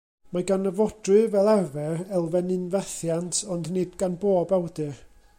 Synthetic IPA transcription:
maɡanəvɔdrɨvɛlˠarvɛrɛlˠvɛnɨnvɛθjantʰɔndnɨdɡanboːbawdɨr

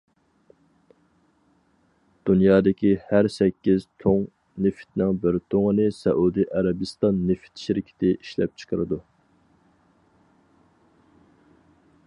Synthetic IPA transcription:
d̪̥unjɑːd̪ɪkʲihæɾsɛkʲːiz̥t̪ʰoŋ | nɪfɪ̥t̪nɪŋbɪɾt̪ʰoŋənɨsɛʔud̪iʔæɾɛbɨst̪ɑnːefɪ̥t̪ʃiɾɪkʲʰɪ̥t̪ʰɪʔiʃlɛ̰p̚t͡ʃʰə̥qʰəɾɨd̪u

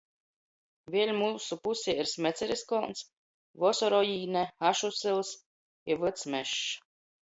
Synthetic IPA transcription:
vʲiɛlʲmuːsupusʲiiɾsʲmʲɛt̪sʲɛɾiskɔːns | vɔsɔɾɔjiːnɛaʃusɨlˠs | ivɨt̪smʲɛʃ

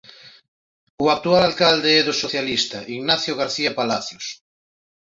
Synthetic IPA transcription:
uak̚t̪ualalkald̪eeðosoθjalist̪aʔiɣnaθjoɣ̞aɾθiapalaθjos

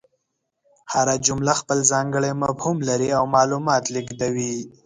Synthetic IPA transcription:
haɾad͡ʒʊmlaxpəlzɑŋɡəɭemabhumlaɾiawmɑlumɑt̪liɡd̪awi

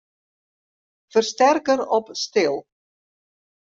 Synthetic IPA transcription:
fərst̪ɛrkəɾɔpst̪ɪlˠ

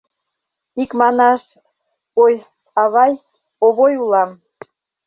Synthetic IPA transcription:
ikmɑnɑʃ | oj | ɑβɑj | oβojulɑm

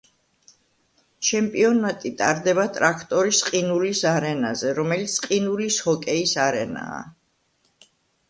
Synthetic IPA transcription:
t͡ʃʰɛmpʼiɔnat̪ʼit̪ʼaɾd̪ɛβat̪ʼɾakʰt̪ʼɔɾisqʼinulisaɾɛnazɛɾɔmɛlit̪sʰqʼinulishɔkʼɛisaɾɛna̰ː

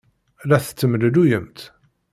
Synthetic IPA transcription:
læθə̥t͡sːəmələlujəmt̪

